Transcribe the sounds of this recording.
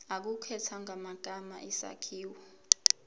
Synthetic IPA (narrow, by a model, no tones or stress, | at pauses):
ak̬ukʰɛtʰaŋʱamaɡ̥ʱamaʔisa̰kʰiːwɔ